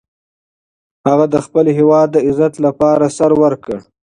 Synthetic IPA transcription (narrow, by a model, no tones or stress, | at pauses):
haɣad̪əxpəlɦewɑːd̪̚ːəɪzat̪lapɑːɾasaɾwəɾkəɽ